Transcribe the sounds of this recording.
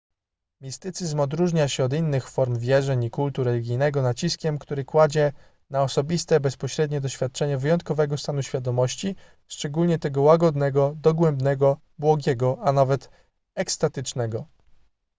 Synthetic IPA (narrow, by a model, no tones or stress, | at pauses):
mʲist̪ɘt̪sɘzmɔd̪ɾuʐɲaɕɛɔd̪inːɘxfɔɾmvʲjɛʐɛɲikult̪uɾɛlʲiɡʲijnɛɡɔnat͡ɕiskʲɛmkt̪uɾɘkwad͡ʑɛ | naɔsɔbʲist̪ɛbɛspɔɕɾɛd̪ɲɛd̪ɔɕfʲjat̪̚t͡ʂɛɲɛvɘjɔnt̪̚kɔvɛɡɔst̪anuɕfʲjad̪ɔmɔɕt͡ɕi | ʂt͡ʂɛɡulɲɛt̪ɛɡɔwaɡɔd̪nɛɡɔd̪ɔɡwɛmbnɛɡɔ | bwɔɡʲɛɡɔʔanavɛt̪ | ɛkst̪at̪ɘt͡ʂnɛɡɔ